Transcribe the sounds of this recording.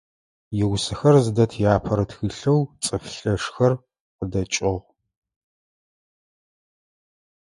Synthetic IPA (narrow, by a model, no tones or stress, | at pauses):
jɪwsɨxɐrzɨdɐtʰjaːpʰɐɾɐtʰxɨɬɐwt͡sʼɐfɬɐʂxɐr | qədɐt͡ʃʼɪʁʷ